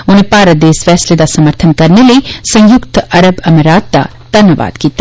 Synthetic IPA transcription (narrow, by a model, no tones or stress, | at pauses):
ʊnẽpaːɾəd̪eːsfɛːsled̪asɐməɾt̪ʰənkɐɾneləisɐ̃jʊkt̪ɐɾəbɐmeɾaːt̪̚d̪a̰ | d̪̥ʱɐnjəʋa̰ːd̪̥kiːt̪a